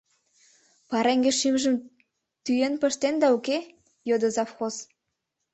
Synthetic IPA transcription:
pɑɾeŋɡeʃimʒə̆m | t̪yjenpə̆ʃt̪end̪ɑuke | jod̪ɤzɑfxos

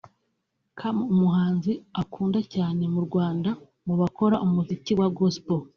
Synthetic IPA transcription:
kʰamumuɦaːnziakʰuːndacaːne̞muɾɡwaːnda | mɡuβako̞ɾaʔumuziciwaɡospo

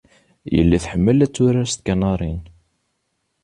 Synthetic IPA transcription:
jə̰lːiθħəmːəlæt͡sːʊɾæst̪̚kænɑɾˤin

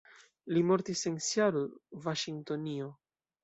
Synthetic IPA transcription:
limo̞ɾt̪ise̞nsjaɾuvaʃiŋt̪o̞nio

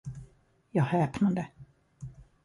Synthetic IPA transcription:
jɑːɡhɛːpnand̪ə

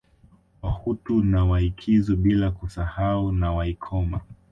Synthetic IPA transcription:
wahutunawahikʰizɔɓilakusahaunawaikʰɔma

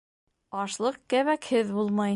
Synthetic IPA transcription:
ɒʃlˠɤq̚kæβækhɘðbulˠmɑj

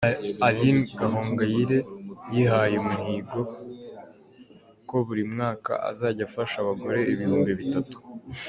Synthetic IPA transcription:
alinɡaɦoːŋɡajiɾe̞jiɦajemuniːɡo̞ | ko̞βuɾimŋaːka̰ʔa̰zaːɟafaʃaβaɡo̞ɾe̞iβihuːmbiβitatu̥

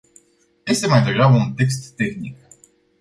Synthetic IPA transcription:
je̞st̪e̞majd̪e̞ɡɾabəunt̪e̞kst̪ːe̞xnik

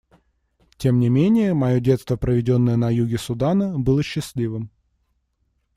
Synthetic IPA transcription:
tʲemnʲɪmʲenʲɪjəmɐjo̞dʲe̞t̪st̪vəpɾəvʲɪdʲo̞nːəjənɐjuɡʲɪsʊd̪anəbɨlˠəɕːɪsʲlʲivɨm

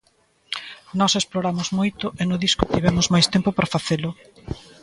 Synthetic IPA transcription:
nɔsesploɾamʊzmojt̪ʊʔenʊðiskʊt̪iβɛmʊzmajst̪empʊpɾafaθelʊ

